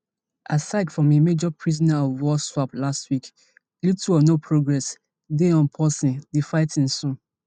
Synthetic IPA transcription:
ʔasaɪdfɹɔ̃memed͡ʒɔpʰɹizɔnaɔvwɔswaplastwik | lituɔnopʰɹoɡɹɛs | deɔ̃npʰɔsĩndefaɪtĩnsũ

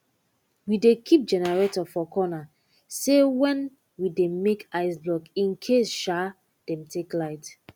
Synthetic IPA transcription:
widekʰip̚d͡ʒɛnɛɹetɔfɔkʰɔna | sewɛ̃n | widemekaɪslɔkĩnkʰesʃa | d̥ɛ̃mtʰeklaɪt

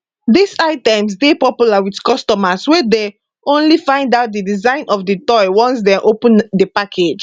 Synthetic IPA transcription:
disaɪtɛ̃ms̬depɔpjulawitkɔstɔmaswede | õnlifãɪ̃ndaʊt̚didizãɪ̃nɔfdetɔjwɔ̃ns̬dɛ̃mʔopə̃ndepakʰed͡ʒ

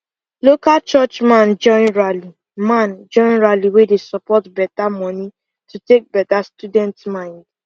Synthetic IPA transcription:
lokalt͡ʃɔt͡ʃmãnd͡ʒɔ̃ɪ̃nɹali | mãnd͡ʒɔ̃ɪ̃nɹaliwedesɔpɔtbɛtamɔ̃ni | tutek̚bɛtastudɛ̃ntmãɪ̃nd

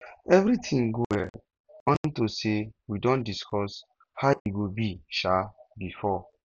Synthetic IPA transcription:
ɛvɾitʰĩŋɡowɛ̰ | wɔ̃nĩntosewidɔ̃ndiskʰɔs | haʔiɡobiʃabifɔ

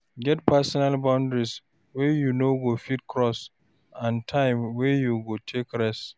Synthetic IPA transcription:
ɡɛt̚pasɔnalbãʊ̃ndɹis | wɛjunoɡofitkʰɹɔs | ãntʰãɪ̃mwɛjuɡotʰekɹɛs

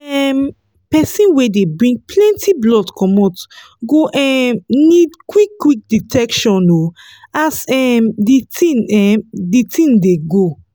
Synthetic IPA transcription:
ɛm | pɛsĩnwedebɹĩŋɡ̚pʰlɛ̃ntʰiblɔdkɔmɔt | ɡoʔɛmnidkwikːwik̚ditʰɛkʃɔ̃no | asɛmditĩnɛmditʰĩŋdeɡo

